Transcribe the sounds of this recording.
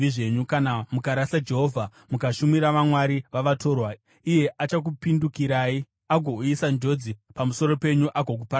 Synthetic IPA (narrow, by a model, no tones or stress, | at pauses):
iʐe̞ɲukanamukaɾasad͡ʒe̞ɦoːvʱa | mukaʃumiɾaʋamwaɾiʋaʋato̞ːrwa | ije̞ʔat͡ʃak̬upindukiɾaːi | aɡʱouisand͡ʒo̞d͡zipamuso̞ɾo̞pe̞ɲuʔaɡʱok̬upa